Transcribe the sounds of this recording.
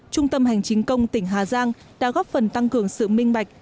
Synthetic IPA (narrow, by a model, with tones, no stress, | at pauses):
t͡ɕʊ˧ŋ͡mt̪ə˧mɦa˨˩jŋ̟t͡ɕï˨˦ŋ̟kə˧wŋ͡mt̪ï˧˩ŋ̟ɦaː˨˩zaː˧ŋ | ɗa̰ː˧˥ɣɔː˦˥p̚fə˨˩nt̪a˧ŋkɨ˨˩əŋsɨ̰˧˨mï˧ŋ̟ɓa˨˩jk̟̚